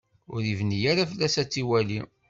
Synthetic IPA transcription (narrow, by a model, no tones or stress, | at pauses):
ʊɾivnijaɾafəlːæsæt͡sːiwæli